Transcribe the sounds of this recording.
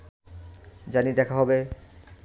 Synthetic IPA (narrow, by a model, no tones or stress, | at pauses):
d͡ʑanid̪ɛkʰaɦɔbe